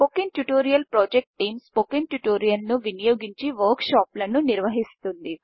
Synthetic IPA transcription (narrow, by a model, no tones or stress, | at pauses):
pokiŋʈuʈoːɾijɐlpɾɔːd͡ʒek̚ʈːiːmspokiŋʈjuʈoːɾijɐnnuʋinijoːɡiɲt͡ʃiʋɐːɾkʃaːplɐnuniɾʋɐɦist̪und̪i